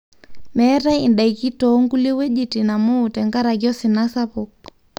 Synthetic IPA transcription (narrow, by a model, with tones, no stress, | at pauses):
mɛ˦ɾa˦i˨nda˨iki˦tɔ˦ŋɡu˦li˦wɛ˦ʄi˦ti˨na˨muː˨tɛ˨ŋɡa˦ɾa˨kjɔ˦si˨na˦sapɔk